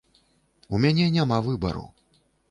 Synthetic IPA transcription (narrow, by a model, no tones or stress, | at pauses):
umʲanʲɛnʲamavɨbɐ̰ɾṵw